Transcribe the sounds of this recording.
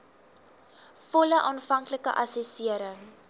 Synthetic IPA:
fɔləʔɑːnfɐŋkləkə̰ʔɐsɛsiəɾəŋ

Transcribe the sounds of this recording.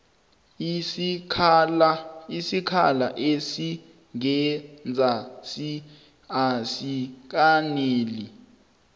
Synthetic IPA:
isikʰa̰la̰ʔesi | ŋɛnd͡zʱasi | asik̬aneːli

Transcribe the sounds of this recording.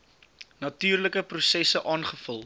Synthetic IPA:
nɐtyːrləkəprusɛsəʔɑːnχəfəlˠ

